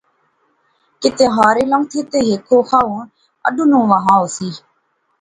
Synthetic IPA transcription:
kɪt̪eːɦaːɾeːləŋɡt̪ʰet̪eːɦeːkʰːoːxʰaːũː | ə̰ɖũːnũːʋəɦãːoːsiː

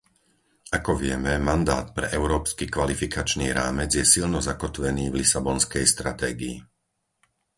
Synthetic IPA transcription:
akɔʋɪɛmɛmand̪aːt̪̚pɾɛ̰ʔɛʊɾɔːpskikʋalifikat͡ʃnḭːɾaːmɛd͡zjɛsilnɔzakɔt̪ʋɛniːvlisabɔnskɛjst̪ɾat̪ɛːɡiḭ

